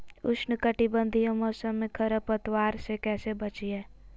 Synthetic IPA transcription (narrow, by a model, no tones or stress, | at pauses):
ʊʃnəkəʈɪbə̃nd̪ʱijõmɔːsəmːẽkʰəɾəpət̪waːɾsekɛːsebət͡ʃiɦɛ̃ː